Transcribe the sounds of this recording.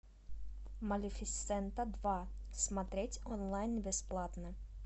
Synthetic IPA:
mɐlʲɪfʲɪt̪sɛnt̪əd̪vasmɐt̪ɾʲetʲonlˠajnʲbʲɪsplˠat̪nə

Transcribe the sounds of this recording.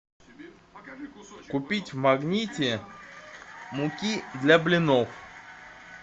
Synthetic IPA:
kʊpʲitʲvmɐɡnʲitʲɪ | mʊkʲid̪lʲɐblʲɪnof

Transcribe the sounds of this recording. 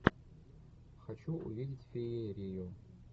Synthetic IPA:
χat͡ʃʰuʔṵvidʲitʲfejejrejo

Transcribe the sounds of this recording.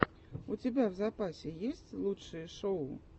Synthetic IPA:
ut͡sʲabʲawzapasʲɛjesʲt͡sʲlˠutʂɨjɐʂɔ

